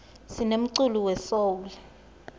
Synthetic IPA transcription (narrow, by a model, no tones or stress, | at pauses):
sinem̩ǀuluwɛsolɛ